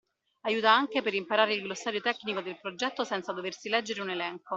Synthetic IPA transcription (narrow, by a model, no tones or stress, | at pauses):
ajuːt̪aaŋkepeɾimpaɾaːɾeilɡlosːaːɾjot̪ɛkːnikod̪elpɾod͡ʒɛt̪ːosɛnt̪sad̪oversilɛd͡ʒːeɾeunelɛŋko